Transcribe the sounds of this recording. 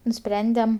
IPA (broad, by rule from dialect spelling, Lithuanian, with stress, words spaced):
nʊˈsʲpʲrʲɛnʲdʲɛm